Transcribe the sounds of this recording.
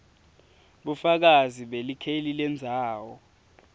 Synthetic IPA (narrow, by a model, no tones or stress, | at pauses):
ɓufak̬aziɓelikʰelilɛnd͡zʱaːwɔ